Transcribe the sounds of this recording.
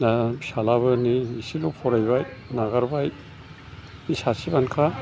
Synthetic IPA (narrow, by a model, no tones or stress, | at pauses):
nasalaβɯniisilupʰɔɾajbajnaɡaɾbaj | isasibankʰa